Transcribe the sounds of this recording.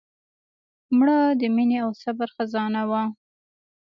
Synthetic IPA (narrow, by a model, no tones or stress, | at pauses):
mɽəd̪əmineawsabaɾxazɑnawa